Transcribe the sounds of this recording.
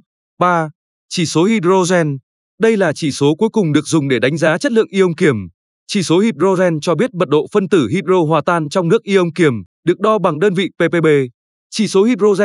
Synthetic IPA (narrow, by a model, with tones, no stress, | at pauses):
ɓaː˧ | t͡ɕi˧˩so˨˦hi˧zo˧zɛ˧n | ɗə˧jlaː˨˩t͡ɕi˧˩so˨˦ku˨˦jkʊ˨˩ŋ͡mɗɨ˨˩ək̚zʊ˨˩ŋ͡mɗe˧˩ɗa˨˦ŋ̟zaː˨˦t͡ɕə˦˥t̚lɨ̰˧˨əŋʔi˧ʔə˧wŋ͡mki˧˩əm | t͡ɕi˧˩so˨˦hi˧˥p̚zo˧zɛ˧nt͡ɕɔ˧ɓi˦˥ət̚ɓə˨˩t̚ɗo̰˧˨fə˧nt̪ɨ˧˩ɦi˧t̚zo˧ɦwaː˨˩t̪aː˧nt͡ɕɔ˧wŋ͡mnɨ˦˥ək̚ʔi˧ʔə˧wŋ͡mki˧˩əmɗɨ˨˩ək̚ɗɔ˧ɓa˨˩ŋɗəː˧nvḭ˧˨pe˧pe˧ɓe˧ | t͡ɕi˧˩so˨˦hi˧˩zo˧zɛ˧